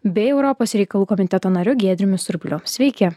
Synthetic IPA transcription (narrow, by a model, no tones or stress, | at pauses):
bʲeːɛʊɾɔpoːsɾʲɛɪkɐlˠuːkɔmʲɪnʲt̪ʲɛt̪oːnɐɾʲʊɡʲeːd̪ʲɾʲɪmʲʊsʊɾʲbʲlʲʊsʲʋʲɛɪkʲɛ